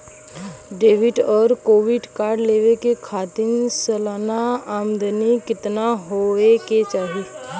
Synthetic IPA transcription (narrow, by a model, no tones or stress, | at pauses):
ɖeːʋɪʈɔːɾkoːʋɪɖkaːɾɖleːʋekekʰaːt̪ɪnsəlaːnaaːmd̪ənikɪt̪naɦoeket͡ʃaːɦi